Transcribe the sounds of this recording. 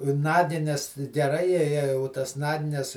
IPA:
ˈnɑːɡʲɪnʲɛs ɡʲɛˈrɐɪ ˈjɛɪ jɛɪ ʊ ˈtɐs ˈnɑːɡʲɪnʲɛs

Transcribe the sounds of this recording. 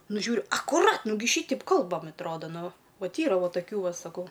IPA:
ˈnʊ ˈʒʲuːrʲʊ ɐkʊˈrɐt ˈnʊɡʲɪ ˈʃʲiːtʲɛɪp ˈkɐlˠbɐm ɐtˈroːdɐ ˈnʊ ˈʋɐt ˈiːrɐ ˈʋoː toːˈkʲuː ˈʋɐ sɐˈkɐʊ

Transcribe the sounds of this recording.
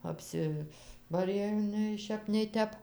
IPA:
ɐpʲˈsʲɪbɐrʲeː jɛʊ nʲɛɪ ˈʃʲɛp nʲɛɪ ˈtʲɛp

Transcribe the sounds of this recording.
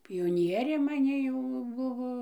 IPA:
pʲɪjoːˈnʲiɛrʲeː mɐˈnʲɪ jɛʊ ˈbʊʋoː

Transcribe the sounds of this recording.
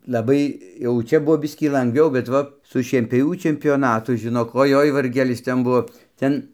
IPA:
lˠɐˈbɐɪ jɛʊ ˈt͡ʃʲɛ ˈbʊʋoː ˈbʲɪsʲkʲiː lˠɐŋɡˈʋʲɛʊ bʲɛt ˈʋɐ sʊ ʃʲiɛnʲpʲoːˈʋʲuː t͡ʃʲɛmʲpʲoːˈnɑːtʊ ʒʲɪˈnoːk oːˈjoːɪ ʋɐrʲˈɡʲæːlʲɪs ˈtʲɛn ˈbʊʋoː ˈtʲɛn

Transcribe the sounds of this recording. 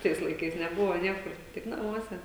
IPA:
ˈtɐɪs lˠɐɪˈkɐɪs nʲɛˈbʊʋoː ˈnʲiɛkʊr ˈtʲɪk nɐˈmuɔsʲɛ

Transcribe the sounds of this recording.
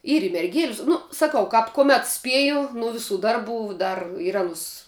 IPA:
ˈiːr ɪ mʲɛrʲˈɡʲeːlʲɪs ˈnʊ sɐˈkɐʊ kɐp kʊˈmʲɛt ˈsʲpʲiɛjʊ nʊ ˈʋʲɪˌsuː ˈdɐrˌbuː ˈdɐr ɪr ˈɑːnʊs

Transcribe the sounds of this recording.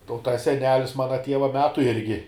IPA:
ˈtɐ ʊ ˈtɐs sʲɛˈnʲæːlʲɪs ˈmɑːnɐ ˈtʲiɛʋɐ ˈmʲæːtʊ ˈɪrʲɡʲɪ

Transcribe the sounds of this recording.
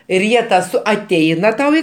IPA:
ɪr ˈjiɛ tɐ ˈsʊ ɐˈtʲɛɪnɐ ˈtɐʊ ɪ

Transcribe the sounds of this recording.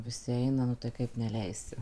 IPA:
ʋʲɪˈsʲɪ ˈɛɪnɐ nʊ tɐɪ ˈkɐɪp nʲɛˈlʲɛɪsʲɪ

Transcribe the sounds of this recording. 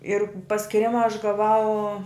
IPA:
ɪr pɐsʲkʲɪˈrʲɪmɐ ɐʃ ɡɐˈʋɐʊ

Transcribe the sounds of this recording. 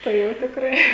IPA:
tɐɪ ˈjɛʊ tʲɪkˈrɐɪ

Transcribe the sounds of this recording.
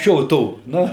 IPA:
ˈʃʲoː ˈtoː ˈnʊ

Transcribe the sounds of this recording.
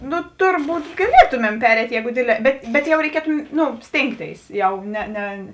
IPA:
ˈnʊ ˈtʊrˌbuːt ɡɐˈlʲiɛtʊmʲɛm ˈpʲæːrʲɛɪtʲ ˈjɛɪɡʊ ˈdʲeːdʲˌlʲɛː ˈbʲɛt bʲɛt jɛʊ rʲɛɪˈkʲiɛtʊ ˈnʊ ˈsʲtʲeːŋkˌtʲeːɪs ˈjɛʊ ˈnʲɛ ˈnʲɛ

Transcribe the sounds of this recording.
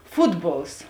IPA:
ˈfʊdˌboːlˠs

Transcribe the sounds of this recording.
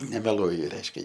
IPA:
nʲɛmʲɛˈlˠuɔjʊ ˈrʲɛɪʃʲkʲɛ

